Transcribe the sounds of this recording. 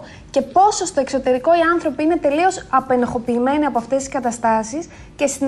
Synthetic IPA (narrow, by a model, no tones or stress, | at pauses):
ce̞po̞so̞st̪o̞e̞kso̞t̪e̞ɾiko̞iɐnθɾo̞piine̞t̪e̞lio̞sɐpe̞noxo̞piːme̞niɐpoɐft̪e̞st̪i̥skɐt̪ɐst̪ɐsis | ce̞st̪in